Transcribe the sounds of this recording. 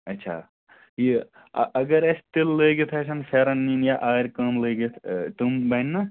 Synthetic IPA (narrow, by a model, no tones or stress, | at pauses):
ɐtːʃʰa̰ː | jḭ | ʔɐɡɐɾɐst̪illeːɡit̪ʰɐːsɐnpʰeːɾɐnːiːnjaʔaːɾʲkɐmleːɡit̪ʰt̪umbɐnːɐ